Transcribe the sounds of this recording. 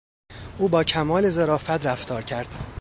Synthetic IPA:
ʔuːbɒːcʰæmɒːle̞zeɾɒːfæt̪ɾæft̪ʰɒːɾcʰæɾd̪̥

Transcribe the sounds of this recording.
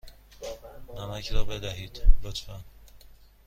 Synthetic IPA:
næmæcɾɒːbed̪æɦiːd̪̥lot̪fæn

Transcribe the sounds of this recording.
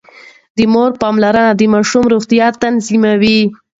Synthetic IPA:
d̪əmoɾpɑmlaɾad̪əmɑʃumɾuɣt̪ijɑt̪ːanzimawi

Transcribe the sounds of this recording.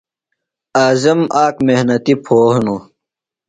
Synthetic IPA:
aːzɐmʔaːkmehnɐt̪ipʰoːhno

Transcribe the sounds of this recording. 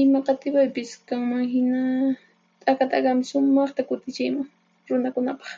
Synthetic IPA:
ɪmɑqɑt̪ɪwajpɪskaŋmaŋɦɪna | t̪ʼakat̪a̰kɑmɪsʊmɑχt̪akʊt̪ɪt͡ʃɪjmaŋ | ɾʊnakʊnapɑ̥χ

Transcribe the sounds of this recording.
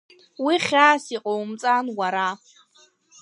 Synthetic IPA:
wiχʲaːsiqʼowmt͡sʼanwaɾa

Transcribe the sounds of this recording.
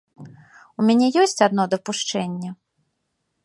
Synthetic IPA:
umʲanʲɛjɔsʲt͡sʲad̪nɔd̪ɐpuʂt͡ʂɛnʲːɛ

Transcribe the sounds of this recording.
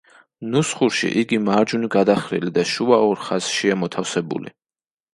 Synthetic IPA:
nusχuɾʃḭʔiɡimaɾd͡ʒuniɡad̪aχɾḭlid̪aʃuaɔɾχasʃiamɔt̪ʰafsɛbṵlḭ

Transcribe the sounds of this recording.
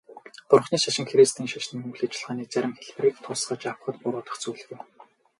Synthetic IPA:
pʊrχniːʃaʃɪ̆ŋxeɾest̪ʰiːŋʃaʃniːmɵwɮeːt͡ɕɪ̆ɮʁ̥aːniːt͡sæɾʲɪ̆mxeɮpɘ̆rɘ̆kt̪ʰʊsχə̆t͡ɕawχə̆t̪pʊɾʊːt̪ə̆χt͡suːɮ̆ɣuj

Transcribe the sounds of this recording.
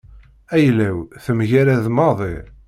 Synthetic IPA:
æjlæwθəmʝæɾæðmɑðˤi

